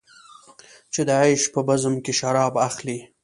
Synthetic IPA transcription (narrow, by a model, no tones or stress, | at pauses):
t͡ʃed̪əajʃpəbazəmkeʃaɾɑbaxli